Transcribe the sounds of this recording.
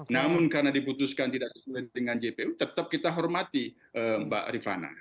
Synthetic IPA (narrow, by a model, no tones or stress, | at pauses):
namʊnkarənadiput̪uskant̪idaʔsə̥suadəŋand͡ʒepeut̪ət̪əp̚kit̪aɦɔrmat̪i | ʔəmba̰ʔɾifa̰na̰